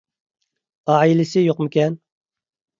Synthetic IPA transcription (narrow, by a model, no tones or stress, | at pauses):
ɑilɪsɪjoqmɪkʲɛn